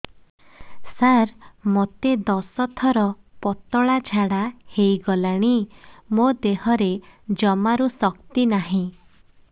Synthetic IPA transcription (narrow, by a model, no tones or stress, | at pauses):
saɾmot̪ed̪ɔsɔt̪ʰɔɾɔ | pɔt̪ɔɭad͡ʒʱaɽahejɡɔlaɽ̃imod̪eɦɔɾed͡ʒɔmaɾusɔkt̪inaɦĩ